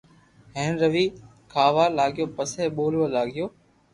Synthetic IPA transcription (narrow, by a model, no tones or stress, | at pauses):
ɦẽːnɾəʋiː | kʰaːʋaːlaːɠɪjoːpəseːɓoːlʋəlaːɠɪjoː